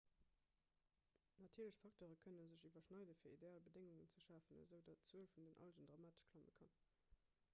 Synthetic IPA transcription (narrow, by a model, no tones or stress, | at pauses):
nɑtʰiːɐləɕfɑk̚toːʁəkʰənənzəʑivɐʃnɑɪdəfiːɐideaːlbədeŋuŋənt͡səʃaːfənzəʊdɑtt͡suəlfundənʔɑ̰ld͡ʒəndʁɑmaːtə̥ʃkʰlɑmə̰kʰɑn